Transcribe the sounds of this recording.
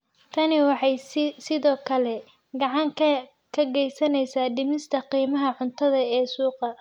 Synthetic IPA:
t̪ʰɐnɪwɑħɑjsɪðɔːkʰɐlɛ | ɡɑʕɑŋkʰ | kʰɐɡɛjsɐnɛjsaːɖɪmɪst̪ʰɐqiːmɐɦɐʕʊnt̪ʰɐðɐɛːsuːqɐ

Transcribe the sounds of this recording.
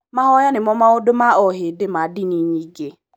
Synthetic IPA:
maɦɔjanɪmɔmaʊdʊmaɔɦɪdɪmadɪniɲiɡe

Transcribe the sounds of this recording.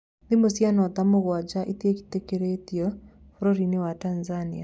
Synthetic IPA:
ndimosjanɔtamoɣwad͡ʒaʔitieki̥tekeɾetiɔ | foɾoɾinewatanzania

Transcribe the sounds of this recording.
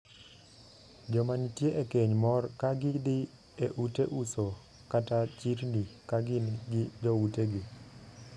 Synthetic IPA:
d͡ʒɔmanitjeʔekeɲmɔrkaɡɪdɪ | eʔuteʔuso | katat͡ʃiɾnikaɡɪnɡɪd͡ʒɔuteɡi

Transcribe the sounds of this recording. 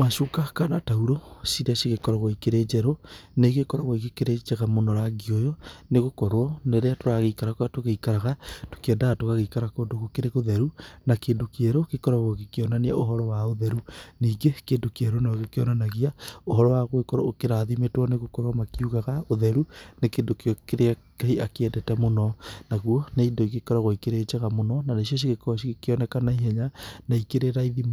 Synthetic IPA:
maʃukakanatauɾosiɾasiɣekɔɾɔɣoikeɾeːd͡ʒɛɾoneɣekɔɾaɣoiɣekeɾed͡ʒɛɣamonɔɾaɡiojɔneɣokɔɾwɔneɾeatoɾaɣeikaɾakwatoɣeikaɾaɣato̥keɛndaɣatoɣaɣeikaɾakoːdoɣokeɾeɣoðɛɾunakeːndokiɛɾokekɔɾaɣoɣekeɔnanea̰oɦɔɾɔwaoðɛɾuniːɡekeːdokiɛɾonaɣekeɔnanaɣiaoɦɔɾɔwaɣwekɔɾɔokeɾaðimetwɔneɣokɔɾwamakiuɣaɣaoðɛɾunekendokeɔkeɾeakaiakeɛdɛtɛmonɔnaɣuɔneidɔikekɔɾaɣoikeɾet͡ʃɛɣamonɔnaneʃioʃ̬iɣekɔʃikeɔnɛkanaiɦɛɲanaikeɾeɾaiðim

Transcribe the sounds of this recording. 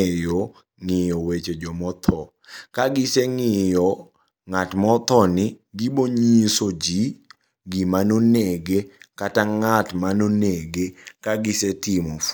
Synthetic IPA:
jɔ | ŋɪjɔwet͡ʃed͡ʒɔmɔt̪ʰɔ | kaɡɪseŋɪjɔ | ŋatmɔt̪ɔnɪɡiboɲisod͡ʒi | ɡimanoneɡekataŋatmanoneɡekaɡɪsetɪmɔf

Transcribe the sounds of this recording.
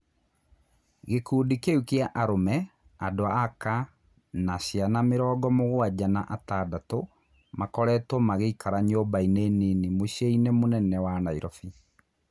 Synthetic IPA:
ɣekuːdikeukeaʔaɾomɛ | adoaaka | naɕjanameɾɔːɡɔmoɣwad͡ʑanaʔatadato | makɔɾɛtomaɣeikaɾaɲobaineninimoɕeinemonɛnɛwanaiɾɔfi

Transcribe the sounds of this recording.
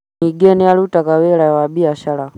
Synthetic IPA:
iɡɛnɛjalutakawɛɺajwaɓiaʃaɺa

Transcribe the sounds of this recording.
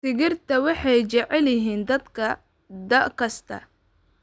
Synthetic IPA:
sɪɣɪrt̪ʰɐwɑħɑjt͡ʃɛʕɛljɪɦiːnd̪ɐd̪kʰɐ | d̪ɐkʰɐst̪ʰɐ̰

